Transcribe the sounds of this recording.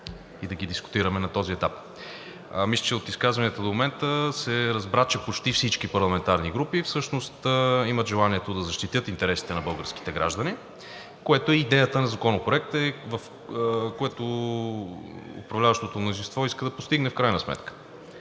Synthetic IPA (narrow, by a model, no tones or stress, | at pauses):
id̪ɐɡid̪iskʊ̥t̪iɾəmɛnɐt̪ɔziɛt̪ap | mislʲə̥t͡ʃɛot̪iskazvɐnjət̪əd̪omomɛnt̪əsɛɾɐzbɾat͡ʃɛpot͡ʃt̪ifsit͡ʃkipɐɾlˠɐmɛnt̪aɾniɡɾupifsɤʃnost̪əimət̪ʒɛlˠaniɛt̪od̪ɐzɐʃt̪it̪ɤt̪int̪ɛɾɛsi̥t̪ɛnɐbɤlˠɡəɾski̥t̪ɛɡɾa̰ʒd̪əni | koɛt̪oɛid̪ɛjət̪ənɐzɐkɔnopɾoɛk̚t̪ɛvəf | koɛt̪o | ʊ̰pɾɐvlʲavəʃt̪ot̪omnozinst̪vɔiskəd̪ɐpost̪iɡnɛfkɾajnɐsmɛ̰t̪kə̥